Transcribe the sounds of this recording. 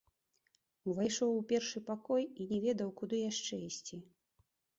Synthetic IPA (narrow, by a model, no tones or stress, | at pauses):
uvajʂɔwupʲɛrʂɨpakɔjinʲɛvʲɛd̪ɐwkud̪ɨjaʂt͡ʂɛisʲt͡sʲi